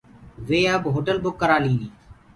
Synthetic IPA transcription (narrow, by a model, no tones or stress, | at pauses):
ʋeːəbɦoːʈəlbʊkːəɾaːlĩːniː